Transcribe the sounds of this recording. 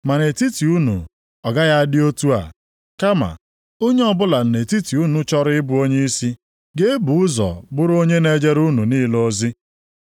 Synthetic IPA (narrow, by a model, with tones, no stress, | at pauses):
ma˨ne˨ti˦ti˨u˦nṵ˨ | ɔ˨ɡa˦ja˦a˦dɪ˦o˦tu˦a̰˨ | ka˦ma̰˨ | o˦ɲe˦ɔ˦˨bʊ˦la˨n̩˨ne˨ti˦ti˨u˦nu˦t͡ʃɔ˦ɾɪ˦ɪ˦bʊ˦o˦ɲe˦i˦si˦ | ɡe˦e˦bu˨ʊ˦zɔ̰˨bʊ˦ɾo˦ɲe˦ne˦d͡ʒe˦ɾu˦nu˨niː˦lo˦zi˦